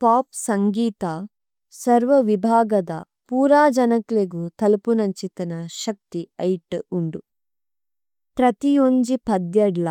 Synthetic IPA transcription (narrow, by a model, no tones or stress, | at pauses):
paːpsɐŋɡiːt̪ɐ | sɐɾʋɐʋibʱaːɡɐd̪ɐ | puːɾaːd͡ʒɐnɐkleɡut̪ɐlupunɐɲt͡ʃit̪ɐnɐʃɐk̚t̪iɐjʈuɳɖu | pɾɐt̪ijuɲd͡ʒipɐd̪jɛɽlɐ